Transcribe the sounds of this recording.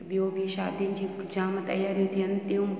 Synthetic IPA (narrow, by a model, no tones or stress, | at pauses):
bjobʱiʃaːd̪ind͡ʒiːd͡ʒaːmt̪ɐjaːɾit̪ʰiənt̪ium